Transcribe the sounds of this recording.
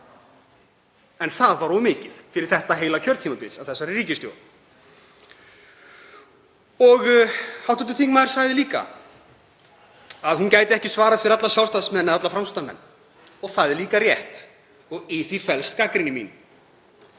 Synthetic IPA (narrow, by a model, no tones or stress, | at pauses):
ɛnθaðvaɾɔmɪːcɪð̥fɪɾɪɾ̥θɛht̪aɦeːjlacʰœɾt̪ʰimapɪɾsavθɛsːaɾriːcɪst̪jo̰wl | ɔɣhawt̪ʏt̪ɪθiŋmaðɾ̥saːɣðɪliːka̰ | aðhuncaːjt̪ɪɛhcɪsvaːɾaðfɪɾat̪lasjawlst̪aðsmɛnːaðat̪lafɾamst̪amɛ̰nː | ɔɣθaðɛɾliːkarjɛht̪ | ɔɣɪθifɛlst̪kakɾɪnɪmḭn